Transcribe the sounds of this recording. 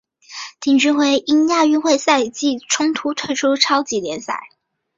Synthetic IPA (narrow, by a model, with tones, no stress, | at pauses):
t̪ʰi˨˩ŋʈ͡ʂy˥˩xwe˧˥ɪʔi˥nja˥˧y˥˧xwe˥˧ɪsa˥˧ɪt͡ɕi˥˩ʈ͡ʂʰʊ˥ŋt̪ʰu˧˥t̪ʰwe˥˧ɪʈ͡ʂʰu˥ʈ͡ʂʰɑ˥ʊt͡ɕi˧˨˩ljɛ˧˥nsa̰˥˩ɪ